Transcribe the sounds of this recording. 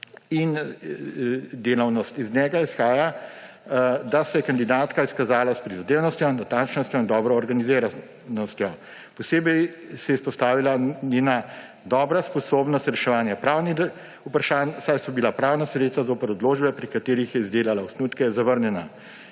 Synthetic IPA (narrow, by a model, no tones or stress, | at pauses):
in | d̪eːlawnɔst̪iznʲɛːɡaisxaːja | d̪asɛjɛkand̪id̪aːt̪kaiskazaːlaspɾizad̪eːwnɔst̪jɔnat̪ant͡ʃnɔst̪jɔind̪ɔːbɾɔːɾɡanizeːɾa | nɔst̪jɔ | pɔseːbɛjsɛispɔst̪aːʋilanena | d̪ɔːbɾaspɔsoːbnɔst̪ɾɛʃɛʋaːnjapɾaːwni | upɾaʃaːnsajsɔbilapɾaːwnasɾet̪st̪azoːpɛɾɔd̪loːʒbɛpɾikat̪eːɾixjɛizd̪eːlalausnuːt̪kɛzaʋəɾnjɛna